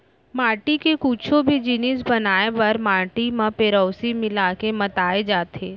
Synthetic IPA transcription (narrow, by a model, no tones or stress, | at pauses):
maːɾʈikekuːt͡ʃʰõbʱid͡ʒɪnɪsbɐnaːepɐɾmaːɾʈimãpeːɾɔːsimɪlaːkemɐt̪aːed͡ʒaːt̪eː